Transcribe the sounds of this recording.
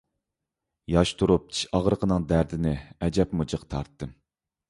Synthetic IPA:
jɑʃt̪ʰuɾup̚t͡ʃʰi̥ʃɑʁɾəqʰənɨŋd̪æɾd̪ɪnɪɛd͡ʒɛpmud͡ʒəqt̪ʰɑ̰ɾt̪ːɨm

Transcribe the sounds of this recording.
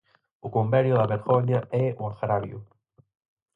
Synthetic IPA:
ʊkombɛɾjʊðɐβeɾɣɔɲaɛuŋaɣɾaβjʊ̰

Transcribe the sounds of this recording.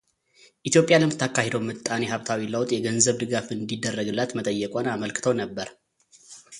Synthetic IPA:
ʔit̪jo̞pʼjaləmt̪ʰakʰːahed̪əwmɨt̪ʼːaneɦaβt̪ʰawiləwt̪ʼjɛɡənzəβd̪ɨɡafɨnd̪id̪ːərːəɡɨlːat̪mət̪ʼəjːɛkʼonaməlkɨ̥t̪ʰəwnəbːəɾ

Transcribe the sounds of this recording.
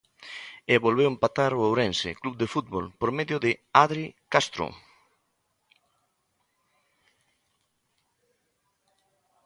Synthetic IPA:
eβolβewempat̪aɾoowɾensɪ̰kluβd̪efut̪̚βolpoɾmeðjʊðɪaðɾikast̪ɾo̰

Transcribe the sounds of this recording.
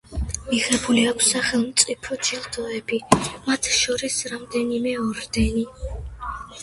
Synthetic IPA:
miʁɛbuliakʷʰsːaχɛlˠmt̪sʼipʰɔt̪ʰilˠd̪ɔɛbimat̪ʰʃɔɾisɾamd̪ɛnimɛɔɾd̪ɛni

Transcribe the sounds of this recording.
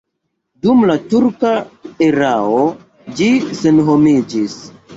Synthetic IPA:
dumlatuɾkaeɾao | d͡ʒise̞nɦomid͡ʒis

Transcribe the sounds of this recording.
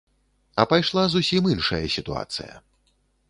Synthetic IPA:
ɐpajʂlˠazusʲiminʂɐ̰jɐsʲit̪ua̰t̪sɨ̰jɐ̰

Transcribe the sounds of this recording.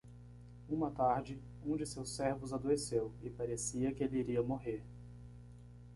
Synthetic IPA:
ũmɐt̪aɾd͡ʒɪ | ũd͡ʒɪsewsɛɾvʊzad̪oesewɪpaɾesiɐkɪelɪiɾiɐmoɦeɾ

